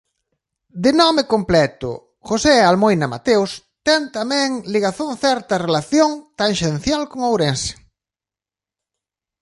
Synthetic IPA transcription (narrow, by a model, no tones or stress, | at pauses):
d̪ɪnɔmɪkomplɛt̪ʊ̰ | xosealmojnɐma̰t̪ews | t̪ɛnt̪amɛ̃ŋliɣaθonθɛɾt̪ɐrelaθjoŋt̪aŋʃenθjalkoŋawɾensɪ̥